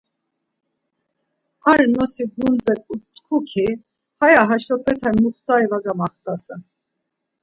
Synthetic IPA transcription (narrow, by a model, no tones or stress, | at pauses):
ɑɾnɔsiɡund͡zɛkut̪kʰukʰi | hɑjɑɦɑʃɔpɛt̪ʰɛmuχt̪ɑɛvɑɡɑmɑχt̪ɑsə